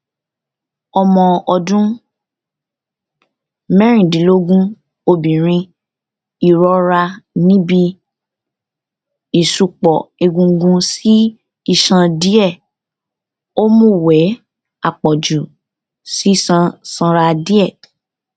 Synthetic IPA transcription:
ɔ˧mɔ̃˧ɔ˧dũ˦ | mɛ̃˦ɾ̃ĩ˦˨dĩ˨˦lo˦ɡũ˦ | o˧bĩ˨ɾ̃ĩ˧ | i˨ɾɔ˦ɾa˧nĩ˦bi˧ | i˨su˧k͡pɔ˨e˧ɡũ˧˦ɡũ˧si˦ | i˦˨ʃã˧di˦ɛ˦˨ | o˦mũ˦wɛ˨˦ | a˨k͡pɔ˨d͡ʒu˨ | si˦i˦˨sã˧sã˧ɾa˧di˦ɛ˦˨

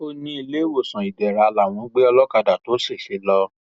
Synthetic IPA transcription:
o˧nĩ˧i˧le˦wo˦˨sã˨i˨dɛ˨ɾa˨˧la˨w̃ɔ̃˧˦ɡ͡be˦ɔ˧lɔ˦ka˧da˨to˨˦se˦˨ʃe˨˦lɔ˧

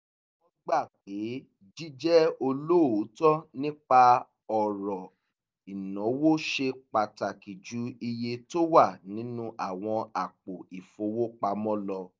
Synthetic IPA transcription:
wɔ̃˦ɡ͡ba˦˨k͡pe˨˦ | d͡ʒi˦d͡ʒɛ˦o˧lo˦˨o˨˦tɔ˦nĩ˦k͡pa˧ | ɔ˨ɾɔ˨ | i˨nɔ̃˨˦wo˦ʃe˧k͡pa˨ta˨ki˨d͡ʒu˨˦i˧je˧to˦wa˦˨nĩ˨˦nũ˦ʔa˦˨w̃ɔ̃˧a˨k͡po˨i˨fo˧˦wo˦k͡pa˧mɔ̃˦lɔ˧

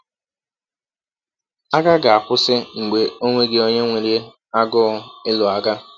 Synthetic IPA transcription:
a˦ɡa˦ɡa˨a˨kʷʊ˦sɪ˦ŋ͡m̩˨ɡ͡be˨o˦ŋʷe˦ɡe˦o˦ɲe˦ŋʷe˨ɾi˦ | a˦ɡʊ˦ɪ˦lʊ˨a˦ɡa˦

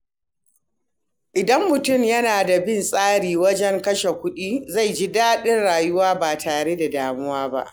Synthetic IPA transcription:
ʔɪ˨dɐ˦mːʊ˨tʊ˦˨mjɐ˦naː˨da˨bɪ˦˨nsʼaː˦ɽiː˨wɐ˦d͡ʒɛ˦ŋkɐ˦ʃe˨kʷʊ˦ɗiː˦za˦˨jd͡ʒi˦daː˦ɗɪ˦nɽaː˨jʊ˦waː˦baː˨tʰaː˨ɽe˦da˨daː˨mʊ˦waː˦ba̰˦ʔ

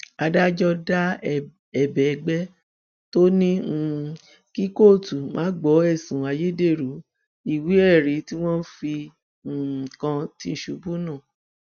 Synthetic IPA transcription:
a˧da˦d͡ʒɔ˦da˦ | ɛ˨bɛ˨˧ɡ͡bɛ˦ | to˦nĩ˦˧ | ki˦ko˦˨tu˨mʔã̰ː˨˦ɡ͡bɔ˨˦ɛ˦˨sũ˨a˧je˦de˦˨ɾu˨˦ | i˦˨wi˨˦ɛ˦˨ɾi˨˦ti˦w̃ɔ̃˦n̩˦fi˧˨ | kã˧ti˧˦˨ʃu˨˧˦bu˦nã˦˨

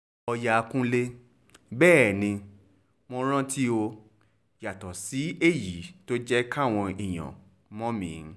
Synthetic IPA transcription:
ɔ˧ja˧kũ˦le˦ | bɛː˦˨nĩ˧ | mɔ̃˧ɾ̃ã˦ti˦o˧ | ja˨tɔ˨si˨˦e˦˨ji˨˦to˦d͡ʒɛ˦ka˦˨w̃ɔ̃˧i˨j̃ɔ̰̃˨ | mɔ̃˦mĩ˨˦

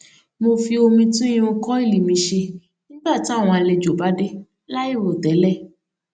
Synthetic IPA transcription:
mo˧fi˧o˧mĩ˧tũ˦ĩ˦õ˧kɔ˦i˦˨li˨mĩ˨˧ʃe˧ | nĩ˦ba˦˨ti˨˦a˦˨w̃ɔ̃˧a˧le˧d͡ʒo˨ba˨˦de˦ | la˦i˦˨ɾo˨tɛ˨˦lɛ˦˨

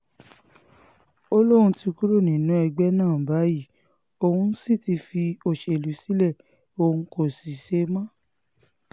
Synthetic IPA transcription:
o˦lo˦ɾũ˧ti˧ku˦ɾo˦˨nĩ˨nũ˨˦ɛ˧ɡ͡bɛ˦nãː˦˨ba˨˦ji˦˨ | o˧hũ˦si˦˨ti˧fi˧o˨ʃe˧˨lu˨˦si˦lɛ˦˨ | o˧ũ˧ko˨si˨ʃe˦mã˦˨

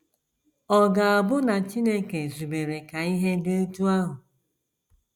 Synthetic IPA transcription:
ɔ˨ɡa˨a˨bʊ˦na˨t͡ʃi˦ne˦ke˨zu˨be˨ɾe˨ka˨i˦ɦe˦de˦o˦tu˦a˦ɦʊ˨

